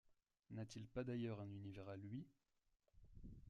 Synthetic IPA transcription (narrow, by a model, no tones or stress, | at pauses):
nat̪ilpad̪ajœʁɛ̃nynivɛʁalɥi